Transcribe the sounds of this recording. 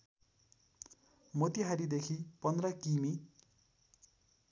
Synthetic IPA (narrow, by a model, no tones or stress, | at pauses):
mot̪iɦaɾid̪ekʰipʌnd̪rʌkimi